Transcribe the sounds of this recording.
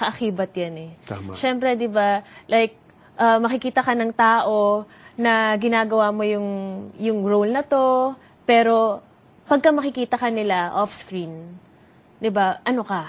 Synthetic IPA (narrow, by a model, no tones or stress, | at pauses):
kɐʔɐkiːbɐt̪̚janɛʃɛmpɾɛd̪ɪbalajk̚ | ʔɐmɐkɪkiːt̪ɐkɐnɐŋt̪aːʔo̞ | nɐɡɪnaːɡɐwaːmo̞jʊŋjʊŋɹolnɐt̪o̞ | pɛːɾo̞ | pɐɡ̚kɐmɐkɪkiːt̪ɐkɐnɪlaʔofskɾin | d̪ɪbaʔɐnokɐ